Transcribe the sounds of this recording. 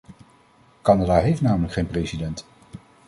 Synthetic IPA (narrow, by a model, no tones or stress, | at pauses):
kɑnadaɦejftnaːmələkχejnprejsidɛnt